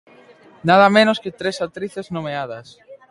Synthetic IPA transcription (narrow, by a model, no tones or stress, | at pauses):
nað̞ɐmẽnosket̪ɾesat̪ɾiθeznomeað̞ɐs